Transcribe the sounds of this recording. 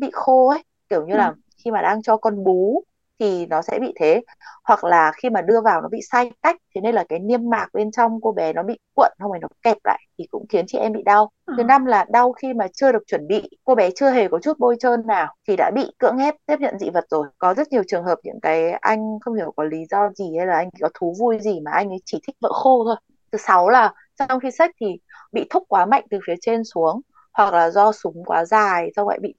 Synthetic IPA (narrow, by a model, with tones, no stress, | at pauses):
ɓḭ˧˨xo˧ʔə˨˦j | ki˧˩əwɲɨ˧laː˨˩ | xi˧maː˨˩ɗaː˧ŋt͡ɕɔ˧kɔ˧nɓu˨˦ | t̪ʰi˨˩nɔ˨˦sɛ̰˧˥ɓḭ˧˨t̪ʰe˨˦ | hwa˨˩k̚laː˨˩xi˧maː˨˩ɗɨ˧əvaː˨˩wnɔ˨˦ɓḭ˧˨sa˧jka˦˥jk̟̚t̪ʰe˨˦ne˧nlaː˨˩kaː˨˦jni˧əmːaː˨˩k̚ɓe˧nt͡ɕɔ˧wŋ͡mko˧ɓɛ˨˦nɔ˨˦ɓḭ˧˨k̚wə̰˧˨nə˧wma˨˩jnɔ˨˦kɛ˨˩p̚la̰ː˧˨jt̪ʰi˨˩kʊ̰˧˥ŋ͡mxi˨˦nt͡ɕḭ˧˩ʔɛ˧mɓḭ˧˨ɗa˧w | kʰɨ˨˦na˧mlaː˨˩ɗa˧wxi˧maː˨˩t͡ɕɨ˧ə˧ɗək̚t͡ɕwə˨˧˩nɓḭ˧˨ko˧ɓɛ˨˦t͡ɕɨ˧əɦe˨˩kɔ˨˦t͡ɕu˦˥t̚ɓo˧jt͡ɕəː˧nːaː˨˩wt̪ʰi˨˩ɗa̰ː˧˥ɓḭ˧˨kɨ̰˧˥əŋhɛ˦˥p̚t̪i˦˥p̚ɲə̰˧˨nzḭ˧˥və˨˩t̚zo˨˩jkɔ˨˦zə˦˥t̚ɲi˨˩əwt͡ɕɨ˨˩əŋɦəː˨˩p̚ɲɨ̰˧˥ŋkaː˨˦jʔa̰˧jŋ̟xə˧wŋ͡mhi˧˩əwkɔ˨˦li˨˦zɔ˧zi˨˩hə˧jlaː˨˩ʔa˧ŋḭ˧˩kɔ˨˦t̪ʰu˨˦vu˧jzi˨˩maː˨˩ʔa˧jŋ̟ʔə˨˦t͡ɕi˧˩t̪ʰï˦˥k̚və̰ː˧˨xo˧t̪ʰo˧j | t̪ʰɨ˨˩sa˨˦wlaː˨˩ | sa˧wŋ͡mxi˧sa˦˥k̟̚t̪ʰi˨˩ | ɓḭ˧˨t̪ʰʊ˦˥k͡p̚kwaː˨˦ma̰˧˨jŋ̟t̪ɨ˨˩fi˨˦ət͡ɕe˧nsu˨˦əŋ | hwa˨˩k̚laː˨˩zɔ˧sʊ˨˦ŋ͡mkwaː˨˦zaː˨˩jsa˧wɣa̰˧˨jɓḭ˧˨